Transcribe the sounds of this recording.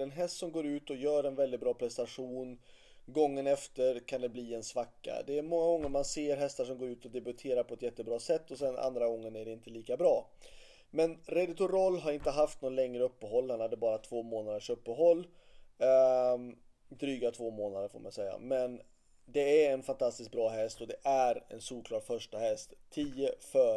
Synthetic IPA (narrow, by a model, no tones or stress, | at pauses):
ɛnɦɛst̪sɔmɡoːɾʉ̟ːt̪ɔjœːɾɛnvɛlɪt̪bɾɑːpʰɾɛst̪aɧuːn | ɡɔŋːənɛft̪əɾkʰand̪ɛbliːɛnsvakːa̰d̪ɛːɾmɔŋːaɡɔŋːəɾmanseːɾɦɛst̪aʂɔmɡoːɾʉːt̪ɔd̪ɛbɵt̪ʰeːɾaɾpʰɔɛt̪jɛt̪ːəbɾɑːsɛt̪ːɔsɛna̰nd̪ɾaɡɔŋːənæɖɛɪnt̪əliːkabɾɑː | mɛnɾɛd̪ɪt̪ʊɾɔlːɦaɾɪnt̪əɦaft̪nɔnlɛŋɾəɵpːəɦɔlːhanhad̪ːəbɑːɾat̪ʰvoːmoːnad̪əʂɵpːəɦɔlː | d̪ɾyːɡat̪ʰvoːmoːnad̪əɾfo̰ːma̰nsɛjːa̰mɛn | d̪ɛæɾɛnfant̪ʰast̪ɪsk̚bɾɑːɦɛst̪ɔd̪ɛʔæɾɛ̰nsuːɾkʰlɑːɖfœʂʈahɛst̪ʰːiːəfœ